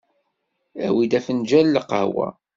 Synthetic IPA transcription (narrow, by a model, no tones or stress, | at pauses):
æwid̪æfənd͡ʒælːəqə̰hwæ̰